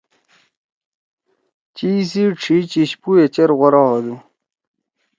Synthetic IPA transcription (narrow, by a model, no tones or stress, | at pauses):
t͡ɕiːs̬iʈ͡ʂʰit͡ɕiɕpuet͡ɕeɾɣoɾaɦod̪i